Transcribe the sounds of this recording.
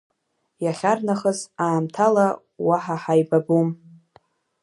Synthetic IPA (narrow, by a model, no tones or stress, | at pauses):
jaχʲarnaχəzaːmtʰala | waħaħajbabum